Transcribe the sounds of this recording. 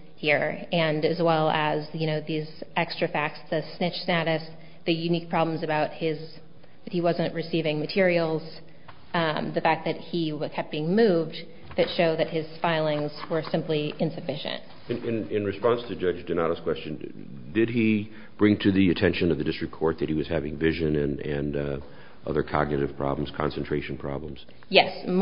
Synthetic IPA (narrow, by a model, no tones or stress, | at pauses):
hiɹɨ̃nɨzwɛlˠəzjɨɾ̃oʊðizʔɛkstɹ̥ɨfæk̚sðɨsnɪt͡ʃsnæɾɨs | ðɨjʉnik̚pʰɹ̥ɑbl̃m̩zɨbaʊt̚hɪz | ðɨt̚hiwʌzɨ̃nʔɹɨsivɪ̃ŋmɨtʰɪɹil̩ˠz̥ | ðɨfæk̚ðɨt̚hikʰɛp̚b̥iɪ̃ŋmʉvd | ðɨtʃoʊd̪ðɨt̚hɨz̥faɪlˠɪ̃ŋz̥wə˞sɪ̃mpliʔɪ̃nsɨfɪʃɨ̰̃nt̚ | ɨɪ̃nɪ̃nɹɨspɑ̃nstʰɨd͡ʒʌd͡ʒdɨdⁿnəɾəskw̥ɛst͡ʃɨ̃n | dɪd̚i | b̥ɹɪ̃ŋtʰɨðiɨtʰɛ̃nʃɨ̃nʌvðɨdɪstɹ̥ɨkʰɔɹt̪̚ðɨt̚hiwʌz̥hævɪ̃ŋvɪʒɨ̃nɨ̃nɨ̃n | ʔʌ̰ðə˞kʰɑ̰ɡ̚nɨɾɨv̥pʰɹ̥ɑ̰blə̃m̩z̥kʰɑ̰̃nsn̩ʰɹ̥eɪʃn̩pʰɹ̥ɑ̰blə̃mz̥ | jɛs